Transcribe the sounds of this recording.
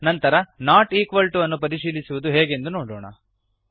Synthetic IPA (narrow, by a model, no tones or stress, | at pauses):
nɐnt̪ɐɾɐnaːʈiːkʋɐlʈuɐnːupɐɾiʃiːlisuʋud̪uɦeːɡe̞nd̪unoːɽɔːɳɐ̰